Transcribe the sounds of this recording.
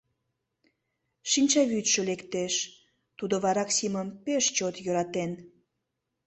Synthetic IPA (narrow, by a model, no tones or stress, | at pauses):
ʃinʲt͡ɕɑβyt̪ʃəlekt̪eʃ | t̪ud̪oβɑɾɑksiməmpeʃt͡ɕot̪jøɾɑt̪en